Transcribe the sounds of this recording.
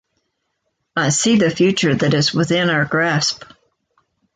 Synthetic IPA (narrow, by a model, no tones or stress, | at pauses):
aɪsiðɨfjʉt͡ʃə˞ðɨɾɨzwɪθɪ̃naʊə˞ɡɹæsp